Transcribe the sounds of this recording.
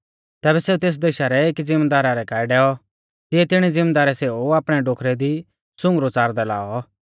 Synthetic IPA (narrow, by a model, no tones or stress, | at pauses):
t̪ɛːbɛseːut̪eːs̬d̪eʃaɾɛeːkd͡zɪ̃md̪aːɾaɾɛkaːiɖɛːɔ | t̪ɪɛt̪ɪɽ̃ɛd͡zɪ̃md̪aːɾɛseːuaːpɽ̃ɛɖoːkʰɾɛd̪i | sʊ̃ŋɡɾot͡saːɾd̪ɛla̰ːɔ